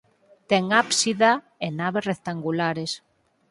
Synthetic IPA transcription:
t̪ɛŋapsiða | enaβesrek̚t̪aŋɡulaɾes

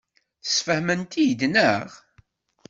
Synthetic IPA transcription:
θsfəhmənt̪ijd̪nəʁ

